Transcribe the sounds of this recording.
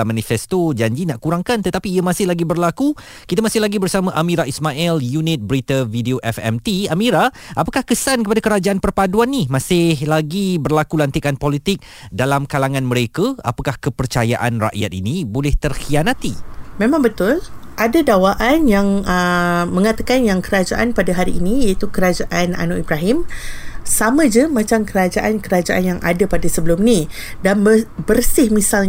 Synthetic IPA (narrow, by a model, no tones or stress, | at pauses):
mãnifɛst̪od͡ʒaɲd͡ʒinaʔkuɾaŋkant̪ət̪apiːəmasɪhlaɡibərlaku | kit̪amasɪhlaɡibərsamãʔamĩɾaismaʔɛljunɪt̪̚bəɾit̪avideoʔɛfɛ̰mt̪iamiɾa | apakahkəsankəpadakəɾad͡ʒaʔanpərpaduanːimãsɪhlaɡibərlakulant̪ikanpolit̪ɪk̚ | dalamkalaŋãnmə̃ɾekaa̰pakahkəpərt͡ʃajaʔa̰nra̰ʔja̰t̪̚ḭnibolɛht̪ərxianat̪imẽmãŋbət̪ʊlʔadadawaʔanjaŋəmə̃ŋat̪akanjaŋkəɾad͡ʒaʔanpadaɦaɾiːnijait̪ukəɾad͡ʒaʔana̰noʔibɾaɦɪmsamə̃d͡ʒəmãt͡ʃamkəɾad͡ʒaʔankəɾad͡ʒaʔanjaŋʔa̰dapadasəbəlʊmni | danəbərsɪhmisal